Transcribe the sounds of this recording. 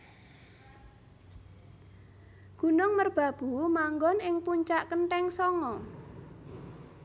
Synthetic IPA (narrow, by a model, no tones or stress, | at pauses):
ɡ̥ṳnʊŋmərb̥a̤b̥ṳmaŋɡɔnɪŋpuɲt͡ʃaʔkənʈɛŋsɔŋɔ